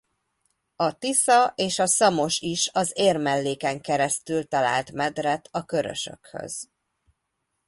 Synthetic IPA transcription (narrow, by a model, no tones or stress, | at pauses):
ɒt̪isɒʔeːʃɒsɒmo̞ʃiʃɒzeːrmɛlːeːkɛŋkɛɾɛst̪ylt̪ɒla̰ːlt̪mɛd̪rɛt̪ʰɒkø̞ɾø̰ʃø̰khø̰z̥